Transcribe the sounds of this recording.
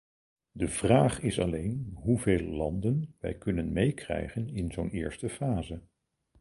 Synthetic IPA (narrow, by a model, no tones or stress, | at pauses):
dəv̥raːχɪsɑ̰lejnɦuvejləlɑndənʋɛ̰jkɵnənmejkrɛ̰jχənɪnzownɪːɹstəfaːzə